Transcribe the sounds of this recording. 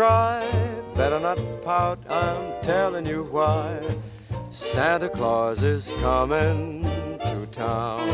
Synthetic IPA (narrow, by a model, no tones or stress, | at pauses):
ɹ̥aɪbɛɾə˞nət̚pʰaʊɾãɪ̃mtʰɛlˠɪ̃ŋjɨwaɪ | sæ̃nðə˞kʰl̥ɔzɪz̥kʰʌmɪ̃ŋtʰɨtʰãʊ̃n